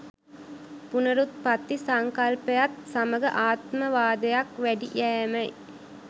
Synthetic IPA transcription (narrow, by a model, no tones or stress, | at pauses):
punɐɾut̪̚pɐt̪ːisaŋkalpɐjat̪saməɡɐʔaːt̪məʋaːd̪ɐjakʋæɖiʔæːmɐj